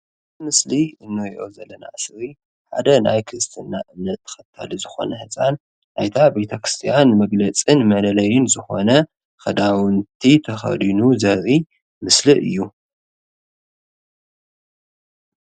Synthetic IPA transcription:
mɨsliɨnːɨɾiʔo̞zɐlːɐna̰ʔɨsɾi | ħa̰d̪ɐna̰jkʰɨɾɨst̪ʰɨnːaʔɨmnɐt̪ʰːɐ̥xɐt̪ʰːa̰lizɨxo̞̰nɐhɨt͡sʼan | ʔajt̪ʰabe̞t̪ʰɐkɾi̥st̪ʰijanmɐɡlɐt͡sʼɨnmɐlɐlɐjɪnzɨxo̞̰nɐ | xɐd̪awɨnt̪ʰit̪ʰɐxɐ̰d̪inuzɐɾʔi | mɨslɨʔɨ̰jːu

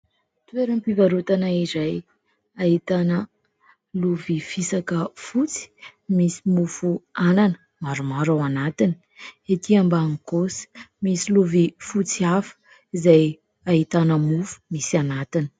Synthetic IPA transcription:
t̪ueɾəmpivaɾut̪anaiɾaj | ait̪anə | luvifisakəfut͡si̥misimufuananə̥ | maɾumaɾawanat̪ini̥ | et̪iambaŋkosə̥misiluvifut͡siafə̥ | izaj | aɦit̪anəmufu̥misianat̪ini̥

